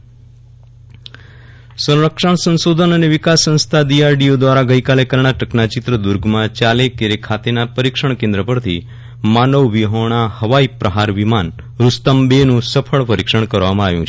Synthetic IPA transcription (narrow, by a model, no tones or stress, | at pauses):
sə̃ɾɾəkʂaɳsə̃nsod̪ʱənəneʋɪkasːə̃nst̪ʰaɖiaɾɖiod̪ʋaɾaɡəjkalekəɾɳ̃aʈəknat͡ʃɪt̪ɾəd̪ʊɾɡʱmãt͡ʃalekeɾekʰat̪enapəɾikʃəɳ̃kẽnd̪ɾəpəɾt̪ʰi | manəʋːiɦoɳ̃ahəʋaipɾəɦaɾʋiman | ɾʊst̪əmbenũsəpʰəɭpəɾikʃəɳ̃kəɾʋamãaʋjũt͡ʃʰe